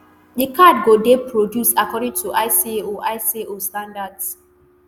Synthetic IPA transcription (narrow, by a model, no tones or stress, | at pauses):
dikad̚ɡodepɹodjusakɔɾɪ̃ŋtʰuʔaɪsieoʔaɪsieostãndads